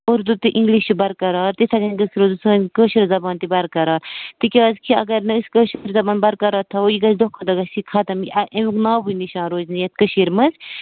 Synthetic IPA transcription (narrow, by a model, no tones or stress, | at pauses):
oɾd̪ut̪ɨʔĩŋɡliʃt͡ʃʰubɐɾkɐɾaːɾt̪it̪ʰɐɡɐnɡɐsɾozsɨkəːʃɐɾzɐbaːnt̪ibɐɾkɐɾaːɾt̪ɨkʲaːzkʰiɐ̰ɡɐɾnɨɨskəːʃɾzɐbaːnbɐɾkɐɾaːt̪ʰːɐojiɡɐsd̪okʰːɐd̪ɐɡɐsikʰɐt̪ɐmkʲɐʔemknaːbuniʃãːnɾoːznijɐt̪̚kəʃiɾmɐz